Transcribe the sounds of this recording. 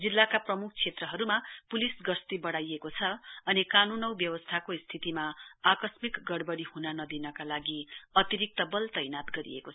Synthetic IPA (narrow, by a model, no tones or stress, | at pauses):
d͡zilːakaprʌmukʰt͡sʰet̪rʌɦʌɾumapulisɡʌst̪ibʌɽajekot͡sʰʌʌnikanunʌwbjʌwʌst̪ʰakoist̪ʰit̪imaakʌsmikɡʌɽbʌɽihunanʌd̪inʌkalaɡiʌt̪iɾik̚t̪ʌbʌlt̪ʌjnat̪ɡʌɾḭḛkoʌ